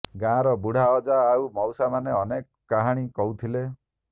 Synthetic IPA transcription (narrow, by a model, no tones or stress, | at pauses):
ɡãɾɔbuɽ̤aɔd͡ʒaːumɔwsamaneɔnekːaɦaɽ̃ikɔut̪ʰile